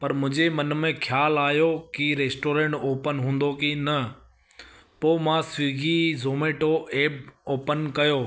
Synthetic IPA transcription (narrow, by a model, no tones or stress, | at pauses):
pɐɾmʊ̃ɦd͡ʑemɐnmẽkʰjaːlaːjokiɾeːsʈoːɾẽːɳʈoːpənɦũːn̆d̪okinɐ | poːmãːsiːɡʱizoːmeːʈoeːboːpənkɐjoː